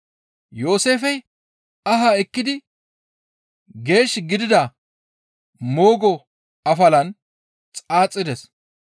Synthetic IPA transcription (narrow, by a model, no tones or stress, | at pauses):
jo̞ːse̞ːfɛj | ɐɦɐɛkːɪd̪ɪ | ɡe̞ːʃɡɪd̪ɪd̪ɐ | mo̞ːɡɔ | ɐfɐlɐn | t͡sʼaːt͡sʼːɪd̪ɛs